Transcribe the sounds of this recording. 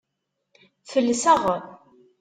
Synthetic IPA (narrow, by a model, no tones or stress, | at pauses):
θəlːəsæʁ